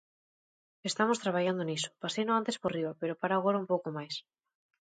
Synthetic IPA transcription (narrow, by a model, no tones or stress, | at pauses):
est̪amost̪ɾaβaʎand̪oniso̥pasejnoant̪esporriβapeɾopaɾaːɣ̞oɾaumpowkomajs